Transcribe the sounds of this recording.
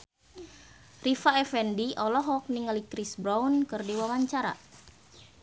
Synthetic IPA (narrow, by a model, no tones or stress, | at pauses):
rifaɛfɛndiʔɔlɔɦɔk̚niŋalikɾisbɾawnkɨrdiwawaɲt͡ʃaɾa̰